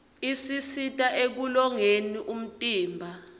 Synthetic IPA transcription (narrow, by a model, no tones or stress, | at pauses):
isisitʼaʔek̬ulɔŋeniʔum̩tʼiːmbʱa